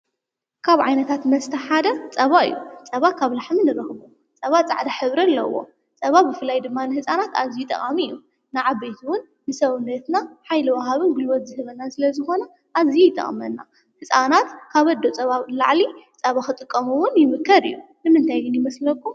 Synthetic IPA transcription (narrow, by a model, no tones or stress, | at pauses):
kʰaβʕa̰jnɐt̪ʰat̪mɐst̪ʰɐħad̪ɐt͡sʼɐβaɨ̰jːut͡sʼɐβakʰaβlaħminɨɾɐxβu | t͡sʼɐβat͡sʼa̰ʕd̪aħɨβɾɐlːɐ̰wo̞̰ | t͡sʼɐβabɨfɨlːajd̪ɨmːanɨhɨsʼanat̪a̰zijut̪ʼɐ̰χʼamijːu | naʕabejt̪ʰwʊnːɨsɐβnːɐt̪naħajlɨwaɦaβɨnɡɨlwɔt̪zɨhɨβɐnːasɨlɐzɨxo̞nɐ | ʔazijujɪt̪ʼɐ̰χʼmɐnːa̰ | hɨt͡sʼanat̪kʰaβɐd̪ːo̞t͡sʼɐβala̰ʕlit͡sʼɐβaxɨt̪ʼɨkʼːɐmuwʊnjɪmɨkʰːɐɾḭjːu | nɨmɨnt̪ʰajɡɨnjɪmɐslɐkʼːu